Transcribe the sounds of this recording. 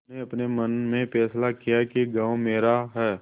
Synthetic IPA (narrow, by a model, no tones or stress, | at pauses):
neɐpnemɐnmẽpɛːslakijakiɡãːwmeːɾaɦɛː